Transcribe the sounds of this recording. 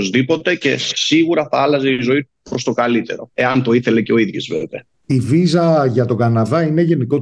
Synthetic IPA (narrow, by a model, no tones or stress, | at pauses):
ozðipo̞t̪e̞ce̞siɣuɾɐθɐɐlɐzeizo̞it̪upɾo̞st̪o̞kɐlit̪e̞ɾo̞e̞ɐnt̪o̞iθe̞le̞ceo̞iðʝozvet̪e̞ | ivizɐʝɐt̪o̞ɡɐnɐðɐine̞ʝe̞niko̞